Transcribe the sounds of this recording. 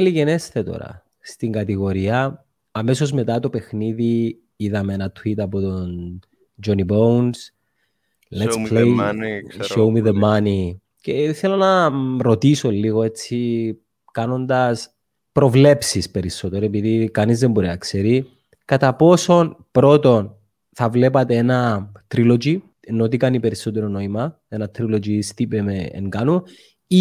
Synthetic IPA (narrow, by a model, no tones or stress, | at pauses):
liʝenesθet̪o̰ɾɐ̰ | st̪iŋɡɐt̪iɣo̞ɾiɐ | ɐme̞so̞zme̞t̪ɐt̪o̞pe̞xniði | iðɐmeenɐt̪ʰwit̪ɐpot̪on | d͡ʒonibowns | lesle | ʃowmiðemɐni | ceθelo̞nɐɾo̞t̪iso̞lːiɣo̞e̞t͡sːi | kɐno̞nd̪ɐs | pɾo̞vle̞psispe̞ɾisːo̞t̪e̞ɾoepiðikɐnizðembo̞ɾinɐkse̞ɾi | kɐt̪ɐpo̞so̞npɾo̞t̪o̞n | θɐvle̞pɐt̪e̞enɐt̪ɾilo̞d͡ʒi | enot̪ikɐnipe̞ɾiso̞t̪e̞ɾono̞imɐ | enɐt̪ɾilo̞d͡ʒist̪ipemeḛŋɡɐnu | i